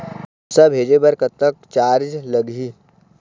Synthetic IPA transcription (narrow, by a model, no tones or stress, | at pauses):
sabʱeːd͡ʒebɐɾkət̪ːək̚t͡ʃaːɾd͡ʒlɐɡiː